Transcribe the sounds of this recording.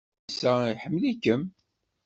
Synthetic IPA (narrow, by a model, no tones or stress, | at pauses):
sæiħəmːlikːəm